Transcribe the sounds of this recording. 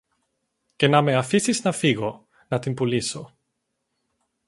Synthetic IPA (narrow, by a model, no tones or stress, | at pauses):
ce̞nɐme̞ɐfisiznɐfiɣo | nɐt̪impuliso